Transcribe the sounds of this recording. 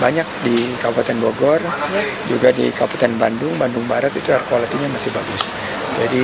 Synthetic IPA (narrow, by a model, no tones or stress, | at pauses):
baɲak̚dikabat̪ɛnboɡɔrd͡ʒuɡadḭkapat̪ɛnba̰ndʊŋbandʊŋbaɾat̪it̪uarkualat̪iɲamasɪhbaɡʊs | d͡ʒadi